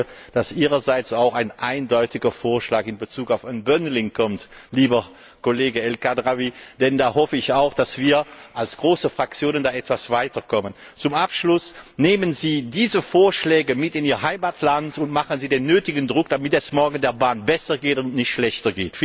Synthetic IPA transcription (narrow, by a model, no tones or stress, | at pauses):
ə | d̥asʔiːʁɐzaɪt͡saʊxaɪnʔaɪndɔʏtɪɡɐfoːɐʃlaːkɪnbət͡suːkaʊfaɪnbœnəlɪŋkʰɔmtliːbɐ | koleːɡəɛlkadʁavid̥ɛndaːhɔfəɪçaʊxd̥asv̥iːɐʔalsɡ̥ʁoːsəfʁ̥ak̚t͡sjoːnəndaːʔɛtv̥asv̥aɪtɐkɔmən | t͡sʊmʔapʃlʊsneːmənziːdiːzəfoːɐʃlɛːɡəmɪtɪniːʁɐɦaɪmaːtʰlantʊntmaχənziːdeːnːøːtɪɡndʁʊk̚d̥amɪtɛsmɔɐɡn̩deːɐbaːnbɛsɐɡeːtʊntnɪçtʃlɛçtɐɡeːtf